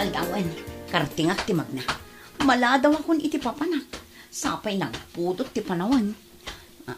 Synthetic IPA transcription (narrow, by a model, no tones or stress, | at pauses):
ald̪awʔankɐɾt̪ɪŋak̚t̪ɪmɐɡ̚na | mɐlaːd̪awɐkʊnʔɪt̪ɪpapanak̚ | sa̰ːpajnɐŋpuːd̪ʊt̪ːɪpanɐwan